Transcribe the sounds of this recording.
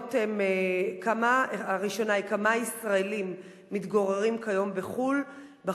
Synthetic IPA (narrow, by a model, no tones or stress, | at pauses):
temekamaʁiʃo̞naikamaisʁaelimː | it̪ɡo̞ʁeʁimkajo̞mbeχul | ba